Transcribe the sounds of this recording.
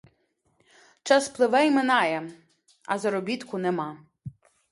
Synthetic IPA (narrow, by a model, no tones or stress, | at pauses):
t͡ʃɑsplˠɪʋɛjmɪnɑjɛ | ɐ̰zɐɾɔbʲit̪kʊnɛmɑ